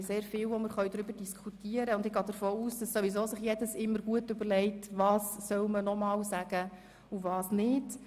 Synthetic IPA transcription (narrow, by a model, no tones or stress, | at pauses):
seːɾfɪːwʋɔməɾχœʏdɾʏbəɾd̥iskʰutiəɾəʊndɪɡɑːd̥əɾfoːuːsd̥ɑssɔʋizoːsɪχjɛdəsɪmːəɾɡ̥uətʏbəɾlɛɪtʋɑːsːœwmənɔmɑːwsæɡ̥ə | uvɑːsnɪd